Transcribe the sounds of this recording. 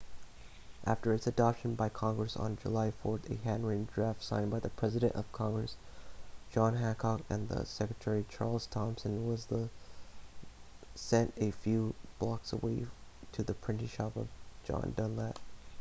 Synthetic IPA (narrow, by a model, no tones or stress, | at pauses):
ʔæftə˞ɨtsɨdɑpʃɨ̃n̩baɪkʰɑ̃ŋɡɹɨsn̩d͡ʒə̰laɪfɔɹɾɨ̰ɦæ̃nɹĩndɹæftsãɪ̃nbaɪðɨpʰɹ̥ɛzɨɾɨ̰̃ntʌ̰v̥kʰɑ̃ŋɡɹɨsd̥ʒ̥ɑ̃nɦæ̃nkʰɑkɨ̰̃nðə̰sɛkɹɨtʰɛɹit͡ʃʰɑɹlˠz̥tʰɑ̃msɨ̃nwʌzðə | sɛ̃ntɨfjʉb̥lɑksə̰weɪɾʰɨðɨpʰɹ̥ɪ̃ntɨʃɑpʌ̰vd͡ʒɑ̰̃ndʌ̃nlæt̚